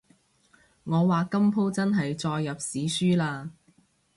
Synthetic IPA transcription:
ŋɔː˨˧waː˨kɐ˥mpʰo˥wt͡sɐ˥nɦɐ˨jt͡sɔː˧jːɐ˨p̚siː˨˥syː˥laː˧

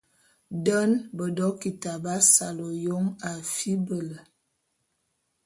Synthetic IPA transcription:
də˦nbə˨dɔ˦ki˨ta˨ba˦sa˨lo˨jo˦ŋa˨fi˦bə˨lə˨

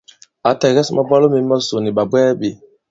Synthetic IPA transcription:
a˨tɛ˨ɣɛ˦sma˦˨ba˦lo˦me˨˦ma˦so˨ni˨ɓa˨bwɛ˦ɓe˨

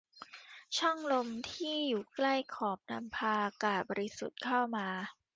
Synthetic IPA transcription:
t͡ɕʰɔ˥˩ŋlo˧mt̪ʰiː˥˩juː˨˩kla˥˩jkʰɔː˨˩p̚na˧mpʰaː˧kaː˨˩t̪̚bɔː˧ɾi˦˥sṵ˨˩t̪̚kʰa˥˩wmaː˧

